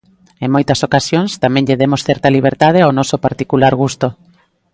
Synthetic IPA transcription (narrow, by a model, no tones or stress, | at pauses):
eŋmojt̪ɐsokasjoŋst̪amɛ̃ŋʎeðemosθɛɾt̪aliβ̞eɾt̪að̞eaonɔsopaɾt̪ikulaɾɣ̞ust̪o